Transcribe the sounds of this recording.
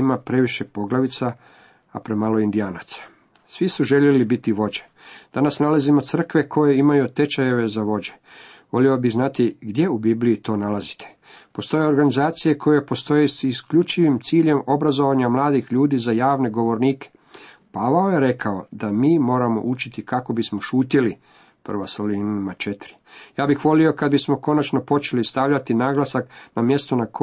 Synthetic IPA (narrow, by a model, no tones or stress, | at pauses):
imapɾe̞ʋiʃe̞po̞ɡlˠaʋit̪sa | apɾemalo̞ind̪iaːnat̪sḁ | sʋisuʒe̞ʎelibit̪iʋo̞d͡ʑe | d̪̥anasnalazimo̞t̪sr̩kʋe̞kʰo̞je̞imajut̪e̞t͡ʃaje̞ʋe̞zaʋo̞d͡ʑe̞̥ | ʋo̞liobiɣznat̪iɡd̪je̞ubibliit̪o̞ːnalazi̥t̪ʰe̥ | po̞st̪o̞je̞o̞ɾɡanizaːt̪sije̞kʰo̞je̞po̞st̪o̞jesiskʎut͡ʃiʋimt̪siːʎe̞mo̞bɾazo̞ʋaɲamlˠaːd̪ixʎuːd̪iːzajaːʋne̞ɡo̞ʋo̞ɾniːke | paʋaoje̞ɾe̞kʰao̞d̪amiːmo̞ːɾamo̞̰ʔut͡ʃit̪ikako̞bismo̞ʃuːt̪ili | pr̩ʋasolinmat͡ʃe̞t̪ɾi | jaːbixʋo̞lio̞kad̪̚bismo̞ko̞nat͡ʃno̞po̞t͡ʃe̞list̪aʋʎat̪inaːɡlˠasaknamje̞st̪onak